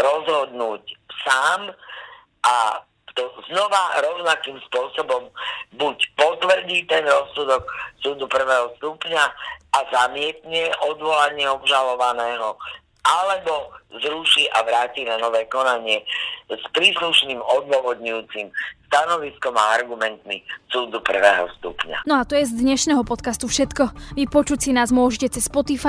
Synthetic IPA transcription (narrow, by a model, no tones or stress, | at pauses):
ɾɔzɦɔd̪nuːcsaːm | ʔa | t̪ɔznɔʋaɾɔʊnakiːmspʊɔsɔbɔmbucpɔt̪ʋr̩ɟiːt̪ɛnɾɔsːud̪ɔksuːd̪upr̩ʋɛːɦɔst̪upɲaazamɪɛt̪ɲɛʔɔd̪ʋɔlaɲɪɛɔbʒalɔʋanɛːɦɔ | ʔalɛbɔzɾuʃiːʔaʋɾaːciːnanɔʋɛːkɔnaɲɪɛspɾiːsluʃniːmɔd̪ʋʊɔʋɔd̪ɲujuːt͡simst̪anɔʋiskɔmaaɾɡumɛnt̪misuːd̪upr̩ʋɛːɦɔ̰st̪ṵpɲa̰nɔat̪ɔjɛzd̪ɲɛʃnɛːɦɔpɔt̪kast̪ufʃɛt̪kɔʋipɔt͡ʃucsinaːzmʊɔʒɛcɛt͡sɛspɔt̪ifa